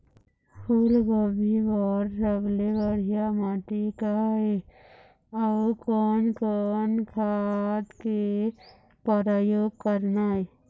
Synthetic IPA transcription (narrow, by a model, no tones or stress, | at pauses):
pʰulɡəbʱibɔɾsəblebəɽ̤ijamaʈikae | aukɔnkɔnkʰat̪ke | pəɾajoːɡ̚kəɾnae